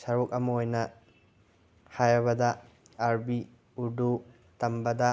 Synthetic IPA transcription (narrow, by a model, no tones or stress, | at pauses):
sɐɾuk̚ɐmɐojnɐ | hajɐβɐdɐ | aɾbi | uɾdu | tɐmbɐdɐ